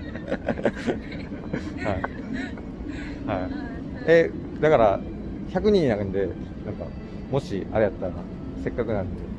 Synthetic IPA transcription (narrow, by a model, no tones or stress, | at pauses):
hai | hai | e | d̪akaɾa | çakɯ̟ɲ̟ĩɲːnaɯ̃nd̪e̞ | nãŋka̰ | mo̞ɕia̰ɾejat̪ːaɾa | se̞kːakɯ̟nãnt̪e